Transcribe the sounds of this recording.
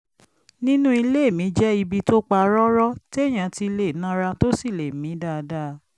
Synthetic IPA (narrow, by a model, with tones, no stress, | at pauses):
nĩ˦nũ˦i˧le˦˨mĩ˨˦d͡ʒɛ˦i˧bi˧to˦k͡pa˧ɾɔ˦ɾɔ˦ti˦e˦˨j̃ã˨ti˧le˨nã˦ɾa˧to˦si˦˨le˨mĩ˨˦da˦˨˧da˦˧˦